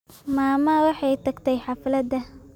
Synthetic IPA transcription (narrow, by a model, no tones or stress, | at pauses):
maːmɐwɑħɑjt̪ʰɐɡt̪ʰɛjħɑflɐd̪ɐ